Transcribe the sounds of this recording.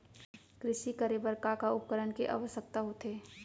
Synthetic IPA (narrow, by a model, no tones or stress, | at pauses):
kɾɪʃikəɾebəɾkakaʊp̚kəɾənkeʔa̰ʋəsək̚t̪aɦot̪ʰeː